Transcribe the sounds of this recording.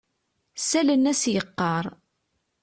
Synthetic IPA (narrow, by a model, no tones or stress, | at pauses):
sælənːæsjəqːɑɾˤ